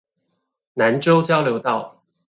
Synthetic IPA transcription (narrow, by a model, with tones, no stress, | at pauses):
na˧˦nʈ͡ʂo˥ʊt͡ɕjɑ˥ʊljo˧˥ʊt̪ɑ˥˩ʊ